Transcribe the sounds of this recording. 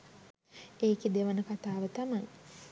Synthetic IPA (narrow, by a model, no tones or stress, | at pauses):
eːked̪eʋənəkat̪aːʋət̪amaj